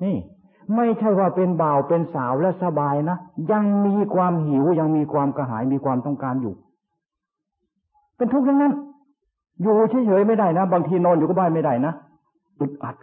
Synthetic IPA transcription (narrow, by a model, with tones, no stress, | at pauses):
niː˧˥˩ | ma˥˩jt͡ɕʰa˥˩jwaː˧˩pe˧nbaː˨˩wpe˧nsaː˨˩˦wlɛ˧˥˩sa˧baː˧jna˦˥ja˧ŋmiː˧kʰwaː˧mɦi˨˩˦wja˧ŋmiː˧kʰwaː˧mka˧˩ɦaː˩˦jmiː˧kʰwaː˧mt̪ɔ˥˩ŋkaː˧njuː˨˩ | pe˧nt̪ʰu˦˥k̚jaː˧˩ŋna˧˥n | juː˨˩t͡ɕʰi˧˥˩t͡ɕʰɤ˨˦jma˥˩jda˧˥˩jna˦˥˩baː˧ŋt̪ʰiː˧nɔː˧˩njuː˨˩kɔ˧˥˩baː˧˥˩jma˥˩jda˧˥˩jna˦˥ | ʔɯ˨˧˩t̪̚ʔa˨˩t̪̚